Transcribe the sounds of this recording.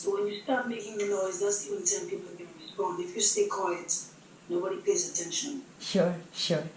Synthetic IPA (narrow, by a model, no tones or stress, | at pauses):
sowɛ̃njustaɹt̚meɪkɪ̃ŋðənɔɪzðatsivə̃ntʰɛ̃npipl̩ˠkɛ̃nɹispɔ̃ndɪfjustekʰwaɪɨt | noʊbɔɾipeɪzətʰɛ̃nʃə̰̃nʃʊɹʃʊ